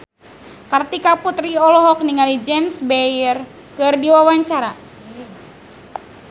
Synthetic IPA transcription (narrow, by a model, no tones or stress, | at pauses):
kart̪ikaput̪riɔlɔɦɔk̚niŋalid͡ʒɛmsbɛjr | kɨrdiwawaɲt͡ʃaɾa